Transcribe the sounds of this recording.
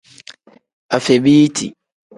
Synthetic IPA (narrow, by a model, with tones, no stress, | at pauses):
a˨fɛ˨bi˦i˦tʰḭ˨